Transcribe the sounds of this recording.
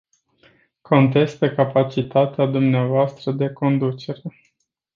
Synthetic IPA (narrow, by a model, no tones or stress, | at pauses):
ko̞nt̪̬e̞st̪əkapat͡ʃit̪at̪ead̪umneavoast̪ɾəd̪e̞ko̞nd̪ut͡ʃe̞ɾe̞